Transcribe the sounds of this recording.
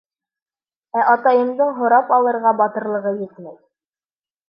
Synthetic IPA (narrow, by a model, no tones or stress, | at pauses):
æʔɑt̪ɑjɤ̆md̪ɤɴɦŏɾɑpɑlˠɤ̆ɾʁɑbɑt̪ɤ̆ɾlˠɤ̆ʁɤjɘ̆t̪mæj